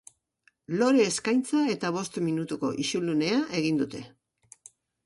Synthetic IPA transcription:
lo̞ɾe̞ːskajnt͡sae̞t̪aβ̞o̞st̪minut̪uko̞̰ʔiʃulune̞aʔe̞ɣ̞ind̪ut̪e̞

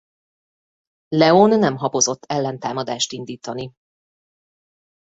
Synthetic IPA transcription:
lɛonːɛmɦɒpo̞zot̪ʰːɛlːɛnt̪aːmɒd̪aːʃt̪ind̪iːt̪ɒni

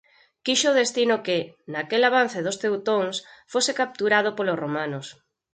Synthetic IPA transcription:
kiʃoð̞est̪inʊkɪnakelaβ̞an̟θeðʊst̪ewt̪oŋsfosekap̚t̪uɾað̞ʊpolosromãnʊs

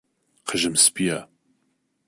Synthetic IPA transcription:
qʰəʒɨmspija

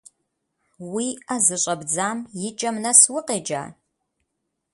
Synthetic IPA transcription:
wiazɨɕʷʼɐbd͡zaːmjɪt͡ʃʼɐmnɐswʊqʼeːd͡ʒa̰ː

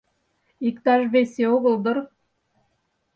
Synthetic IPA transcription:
ikt̪ɑʒβesʲeoɣə̆lˠd̪ə̆ɾ

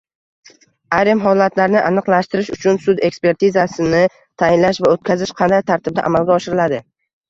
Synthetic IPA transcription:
aɾɪmɦɒlat̪ʰlaɾnɪʔanɨqlˠaʃt̪ɪɾɪʃʊt͡ʃʰʊnsʊd̪e̞kspe̞ɾt̪ʰɪzasɪnɪ | t̪ʰajɪnlaʃvaot̪̚kʲazɪʃqʰɑnd̪ajt̪ʰaɾt̪ʰɪb̚d̪a̰ʔamalɡʲaɒʃɪɾɪlad̪ɪ

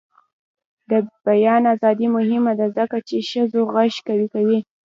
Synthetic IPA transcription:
d̪əbajɑnazɑd̪imʊɦɪmad̪azəkat͡ʃeʃəzoɣaʃkawikawi

